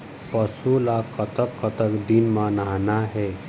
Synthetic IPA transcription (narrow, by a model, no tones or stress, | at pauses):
pəsulakət̪əkːət̪əkd̪inmanaɦnaɦe